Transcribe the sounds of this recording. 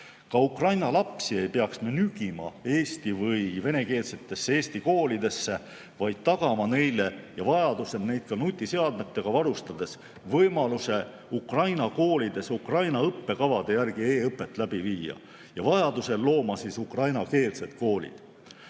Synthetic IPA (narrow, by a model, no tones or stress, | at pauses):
kɑukrɑjnɑlɑpsie̞jpe̞ɑksmenyɡ̥imɑ̰e̞ːsʲt̪ivɯjve̞ne̞ke̞ːlse̞t̪ːˑe̞sːee̞ːsʲt̪iko̞ːlid̪e̞sːe̞ | vɑjd̪̥̚t̪ːɑɡ̥ɑmɑne̞jle̞jɑvɑjɑd̪̥use̞d̪ne̞jd̪̥̚kɑnut̪ʲːˑise̞ɑd̪̚met̪ːe̞ɡ̥ɑvɑɾust̪ɑd̪̥e̞s | vɤjmɑluse̞ | ukrɑjnɑko̞ːlʲid̪̥e̞sukrɑjnɑɤpːe̞kɑvɑd̪̥e̞jærɡ̥ie̞ːɤpːˑe̞t̪ːˑlæb̥iviːjɑ̰ | jɑvɑjɑd̪̥use̞llo̞ːmɑsisukrɑjnɑke̞ːlse̞d̪̥ko̞ːlʲḭd̪̥